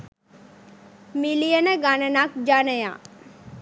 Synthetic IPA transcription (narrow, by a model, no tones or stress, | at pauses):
milijənəɡanənak̚d͡ʒanəja̰